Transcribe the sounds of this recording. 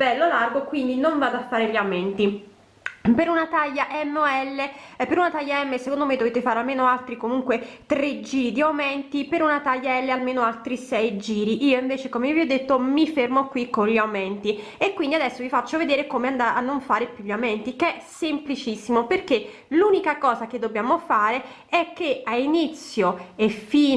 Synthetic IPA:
b̥ɛlːolarɡokwind̪inoɱvaːd̪oafːaːɾeʎiawmɛnt̪i | peɾunat̪aʎːaʔɛmːoɛlːepeɾunat̪ajːaɛmːesekond̪omed̪oveːt̪efaːɾealmeːnoalt̪ɾikomuŋkwet̪ɾed͡ʒiːɾid̪iawment̪ipeɾunat̪aʎːaɛlːealmeːnoalt̪ɾisɛjd͡ʒiːɾiʔiːoiɱveːt͡ʃekomeivjod̪ːet̪ːomifermokːwikːonʎiawmɛnt̪iekwind̪iad̪ɛsːovifat͡ʃːoved̪eːɾekomeand̪aanːoɱfaːɾepjuʎːiawmɛnt̪ikeɛsemplit͡ʃisːimoperkːe | luːnikakɔːzak̟ed̪ːobjaːmofaːɾe | ɛkːeainit̪sːjoefiː

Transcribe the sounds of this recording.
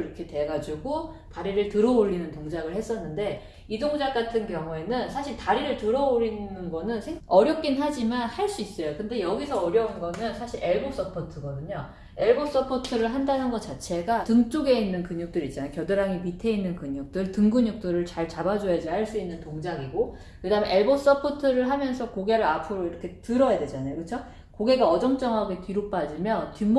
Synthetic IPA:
ɾʌkʰe̞te̞ɡad͡ʑuɡo | taɾiɾɯɭtɯɾʌoʎːinɯntoŋd͡ʑaɡɯɭhe̞s͈ʌnːɯnde̞ | idoŋd͡ʑak͈atʰɯnkjʌŋue̞nɯnsʰaɕʰiɭtaɾiɾɯɭtɯɾʌoɾinɯnɯnɡʌnɯnsʰeʌɾjʌk̚k͈inɦad͡ʑimanhaɭs͈uis͈ʌjokɯnde̞jʌɡisʰʌʌɾjʌunɡʌnɯnsʰaɕʰiɾʔe̞ɭbop̚s͈ʌpʰʌtʰɯɡʌdɯɲo | e̞ɭɡop̚s͈ʌpʰʌtʰɯɾɯɭɦandanɦɯnɡʌt͡ɕ͈at͡ɕʰe̞ɡatɯŋt͡ɕ͈oɡe̞inːɯnkɯɲuk̚t͈ɯɾit͡ɕ͈anajokjʌdɯɾaŋimitʰe̞inːɯnkɯɲuk̚t͈ɯɭtɯŋɡuɲuk̚t͈ɯɾɯɭt͡ɕaɭt͡ɕabad͡ʑojad͡ʑihaɭs͈uinːɯntoŋd͡ʑaɡiɡo | kɯdaɯmeʔe̞ɭbos͈ʌpʰotʰɯɾɯɭɦamjʌnsʰʌkoɡe̞ɾɯɾapʰɯɾoiɾʌkʰe̞tɯɾʌjadwe̞d͡ʑanajokɯt͡ɕʰo | koɡe̞ɡaʌd͡ʑʌŋt͡ɕ͈ʌŋɦaɡetɥiɾop͈ad͡ʑimjʌntɥim

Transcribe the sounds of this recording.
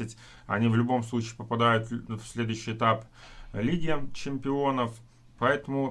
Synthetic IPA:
ɪtʲ | ɐ̰nʲivlʲʊbo̞mslˠut͡ɕiːpəpɐd̪ajʊt̪fsʲlʲe̞d̪ʊjɕːɪjɪt̪aplʲiɡʲɪət͡ɕɪmʲpʲɪo̞nəf | pɐɛt̪əmʊ

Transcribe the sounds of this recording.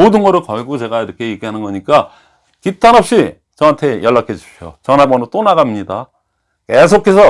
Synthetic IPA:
odɯnɡʌɾɯɭkʌɭɡut͡ɕe̞ɡaiɾʌkʰe̞jeɡiɦanɯnɡʌɲik͈a | kitʰanʌp̚ɕ͈i | t͡ɕʌantʰe̞jʌɭːak͈ʰed͡ʑi̥p̚ɕʰjo̰t͡ɕʌnɦabʌnɯt͈onaɡamɲida | ke̞sʰokʰe̞sʰʌ

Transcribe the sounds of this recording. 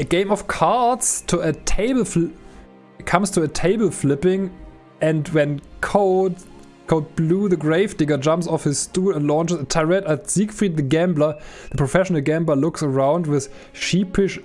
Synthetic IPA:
ɨɡẽɪ̃mɔv̥kʰɑɹtstʰuɨtʰeɪbl̩f | kʰʌ̃mstʰuətʰeɪbl̩ˠflɪpɪ̃ŋ | ɨ̃ndwɛ̃nkʰoʊd | kʰoʊd̚bluðɨɡɹeɪvdɪɡə˞d͡ʒʌ̃mpsɔfhɪz̥stulə̃nlɔ̃nt͡ʃɨzətʰaɹɛtətz̥ikfɹit̚ðɨɡæ̃mblə˞ðəpʰɹ̥ɔfɛʃənəl̩ˠɡæ̃mblə˞lʊksə˞ãʊ̃ndwɪð̥ | ʃipɪʃ

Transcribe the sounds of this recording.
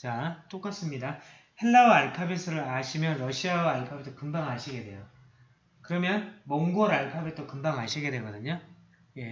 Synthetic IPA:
t͡ɕat͈ok͈as͈ɯmɲida | he̞ɭːawaaɭpʰabisʰɯɾɯɾaɕʰimjʌnɾʌɕʰiawaaɭpʰabit͈ʰokɯmbaŋɦaɕʰiɡe̞dwe̞̰jo | kɯɾʌmjʌnmʌŋɡuʌɾaɭpʰabet͈okɯmbaŋɦaɕʰiɡe̞dwe̞ɡʌdɯɲo | je̞

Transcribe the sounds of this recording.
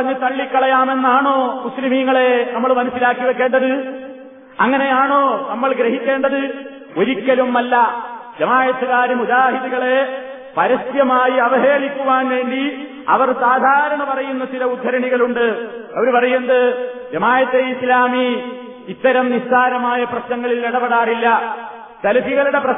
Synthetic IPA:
ɐɲːɐt̪ɐɭːikːɐɭɐjaːme̞nːaːɳo̞ːmuslimiŋːɐɭe̞nɐmːɐɭmɐnɐsilaːkːiʋekːe̞ːɳɖɐðɨ | ɐŋːɐne̞jaːɳo̞ːnɐmːɐɭɡɾeɦikʲːe̞ːɳɖɐðɨ | o̞ɾikʲːɐlumːɐlːɐʋjɐmaːjɐt̪ʰːɐɣaːɾɐmud͡ʒaːɦiðiɣɐɭe̞ | pɐɾɐst̪jɐmaːjiɐʋɐɦeːɭikʲːuʋaːnʋe̞ːɳɖi | ɐ̰ʋɐrsaːd̪ʱaːɾɐɳɐpɐrɐjunːɐt͡ɕilɐud̪ʱːɐɾɐɳiɣɐɭuɳɖɨɐʋɐɾupɐrɐjunɐðɨʋjɐmaːjɐt̪ːeislaːmiː | t̪ːɐɾɐmnistaːɾɐmaːjɐprɐɕnɐŋːɐɭileɽɐpɐɽaːrilːɐ | sɐlɐfiɣɐɭuɽe̞prɐ

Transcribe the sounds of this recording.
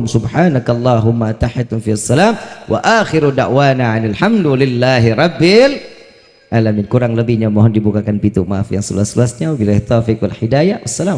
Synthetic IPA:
msʊbħaːnakɑlˤːaːɦʊmːat̪aħɪt̪ʊnfiasːalaːmwʔa̰ʔaxɪɾudaʔwaːnaʕanɪlħamdlɪlːaːɦiɾˤɑbːɪl | ʔaːlamɪnkuɾaŋləbihɲamɔɦɔndibukakanpit̪umaʔafjaŋsələ̰lasələasɲawbilaht̪ɔfɪkwa̰lħidajawʔasːalaː

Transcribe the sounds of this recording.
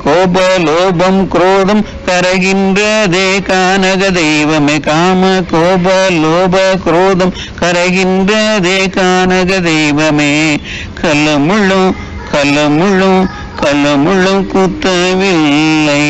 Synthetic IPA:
koːbɐloːbɐmkɾoːðɐm | kɐɾɐɣɪndrɐd̪eːkaːnɐɣɐd̪ɐjʋɐmekaːmɐkoːbɐloːbɐkɾoːðɐm | kɐɾɐɣindrɐðeːkaːnɐɣɐd̪ɐjʋɐmeː | kɐlɐmuɻu | kɐlɐmuɻu | kɐlɐmuɻukut̪ːɐʋilːɐ

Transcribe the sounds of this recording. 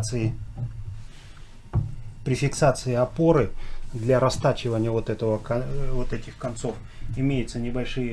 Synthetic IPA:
t̪sɨɪ | pɾʲɪfʲɪksat̪sɨɪɐpo̞ɾɨd̪lʲaɾɐst̪at͡ɕɪvənʲɪjəvo̞t̪ɛt̪əvəkɐvot̪ɛtʲɪxkɐnt̪so̞f | ɪmʲejɪt̪sənʲɪbɐlʲʂɨjə

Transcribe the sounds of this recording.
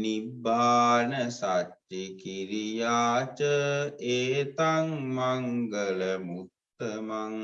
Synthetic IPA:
nibaːnəsat͡ʃːikiɾijaːt͡ʃəeːt̪aŋmaŋɡələmut̪ːəmaŋ

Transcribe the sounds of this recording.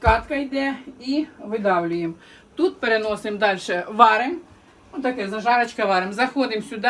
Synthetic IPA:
kɑt̪kɐjd̪ɛiʋɪd̪ɑwlʲʊjem | t̪ut̪̚peɾenɔsɪmd̪ɑlʲʃɛʋɑɾɪm | ɔt̪ɐkɛzɐʒɑɾɐt͡ʃkɐʋɑɾɪmzɐxɔd̪ɪmsʲʊd̪ɑ

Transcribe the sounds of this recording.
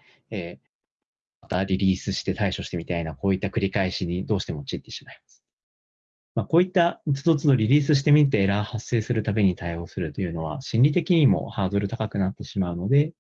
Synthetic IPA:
eː | mmat̪aɾʲiɾʲiːsɨɕi̥t̪e̞t̪aiɕo̞ɕi̥t̪e̞mʲit̪ainako̞ːit̪ːakɯ̟ɾʲikaiɕiɲ̟id̪o̞ːɕi̥t̪e̞mo̞t͡ɕit̪ːe̞ɕi̥maimasɨ̥ | maːko̞ːit̪ːat͡sɨd̪o̞t͡sɨd̪o̞ɾʲiɾʲiːsɨɕi̥t̪e̞mʲit̪ːeeɾahasːe̞ːsɨɾɯ̟t̪abe̞ɲ̟it̪aio̞ːsɨɾɯ̟t̪ːo̞jɯ̟no̞β̞a̰ɕĩnʲɾʲit̪e̞kʲiɲ̟imo̞̰haːd̪o̞ɾɯ̟t̪akakɯ̟nat̪ːe̞ɕimaɯ̟no̞d̪e̞

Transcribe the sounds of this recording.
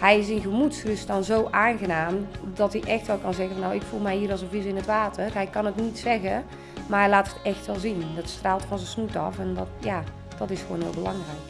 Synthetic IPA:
hɛjɪs̬ɪnɣəmutsrʏsdɔnzoːʔaːnɣənaːmdɔtiʔɛxtʋɛlˠkɑnzɛɣənfɔnːawɪkfulˠmɛjhiːəɾɔlˠsənvisɪnətʋaːtʰərɦɛɪkɔnətnitsɛɣə | marɛlaːthətɛxtʋɛlˠzindɔtstraːlˠtfɔnzəsnutɔfɛndɔtja | d̥ɔtɪsxwoːnʋɪ̰lˠbəlɑŋrɛjk

